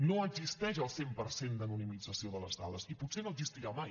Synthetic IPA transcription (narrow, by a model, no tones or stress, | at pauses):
noəɡzist̪ɛʃ̬əlˠsempəɾsend̪ənunimid͡zəsioðələzða̰ləsiput̪senoəɡzist̪iɾamaj